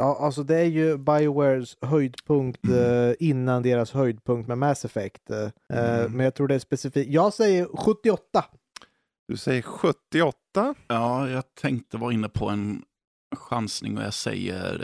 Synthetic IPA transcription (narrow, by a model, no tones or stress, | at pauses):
jɑːʔals̬ɔd̪ɛæɾjɵbajwɛsɦœjd̪pʰɵŋkt̪ɪnːand̪eːɾashœjd̪̚pʰɵŋkt̪mɛmæsɛfɛkt̪ | mɛnjɑɡt̪ʰɾuːɖɛæspɛsɪfiːjɑːɡsɛjːəɾɧɵt̪ːɪɔt̪ːa | d̪̥ɵsɛjːəɾɧɵt̪ːɪɔt̪ːaɑːjɑːɡt̪ʰɛŋkt̪əvɑːɾɪnːəpʰɔɛn | ɧansnɪ̰ŋɔ̰jɑ̰sɛ̰jːə̰ɾ